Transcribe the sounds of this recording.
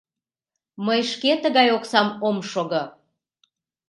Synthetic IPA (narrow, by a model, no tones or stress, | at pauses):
məjʃket̪əɣɑjoksɑmomʃoɣo